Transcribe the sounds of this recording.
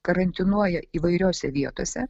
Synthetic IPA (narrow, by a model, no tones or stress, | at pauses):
kɐɾɐnʲt̪ʲɪnuɔjɛiːʋɐɪɾʲoːsʲɛʋʲiɛt̪oːsʲɛ